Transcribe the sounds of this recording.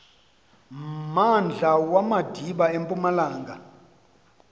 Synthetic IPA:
mand͡ɮʱawamad̥ʱiɓaempʼumalaːŋɡa

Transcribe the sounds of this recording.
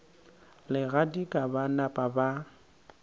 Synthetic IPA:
lɪɣadikʼabanapʼaba

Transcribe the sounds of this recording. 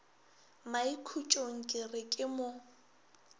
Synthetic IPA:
maikʰut͡ʃʼoŋ̩kʼɪrɪkʼɪmʊ

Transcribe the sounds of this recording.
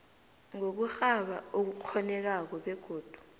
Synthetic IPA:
ŋok̬uxaɓaok̬uk͡xʰɔnɛk̬ak̬ɔɓɛɡ̥ʱoːd̥ʱu̥

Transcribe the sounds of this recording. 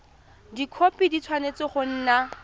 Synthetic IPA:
dikʰopidit͡sʰwanet͡sɪχʊn̩ːna

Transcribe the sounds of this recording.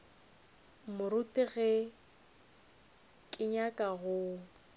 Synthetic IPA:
mʊɾʊtʼɪɣɛ | kʼɪɲakʼaɣʊ

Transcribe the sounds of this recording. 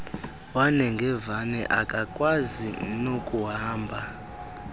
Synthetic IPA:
wanɛŋɡʱɛvanɛʔakʼakʼwazinokʼuɦaːmbʱa

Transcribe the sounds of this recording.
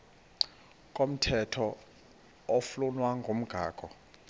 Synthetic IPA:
kʼom̩tʰɛtʰɔ | ɔflunwaŋɡʱom̩ɡ̥ʱa̰ːkʼɔ

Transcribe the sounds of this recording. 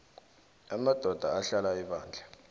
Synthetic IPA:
amad̥ʱɔd̥ʱaaɬalaiɓaːnd͡ɮʱa

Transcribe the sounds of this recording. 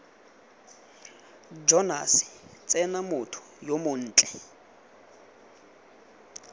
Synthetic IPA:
d͡ʒɔna̰sɪ̥t͡sʼɛnamʊtʰʊ̥jomʊn̩ːt͡ɬʼɛ

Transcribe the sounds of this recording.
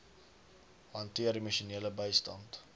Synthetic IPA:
hɐntiərdiməʃuniələbəjstɐnt

